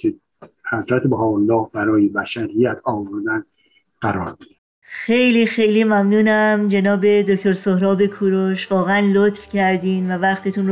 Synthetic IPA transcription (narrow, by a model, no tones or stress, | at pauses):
kʰe | hæzɾæt̪ebæɦɒːolːɒːhbæɾɒːjebæʃæɾijæt̪ʰɒːvoɾd̪æn | ɢ̥æɾɒːɾbid̪e | xejliːxejlimæmnuːnæmd͡ʒe̞nɒːbe̞d̪ocʰt̪o̞ɾsohɾɒːbe̞kʰuːɾoʃvɒːɣeænlot̪fcʰæɾd̪iːmvævæχt̪ʰet̪ʰuːno